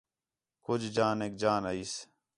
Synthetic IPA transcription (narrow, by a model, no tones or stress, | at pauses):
kʊd͡ʒd͡ʒaːneːk̚d͡ʒaːnaiːs